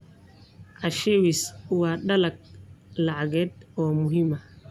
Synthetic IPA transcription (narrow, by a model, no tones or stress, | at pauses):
ʔaʃɛwiswaːɗalak̚laʕaɡɛd̪̚ɔːmʊhima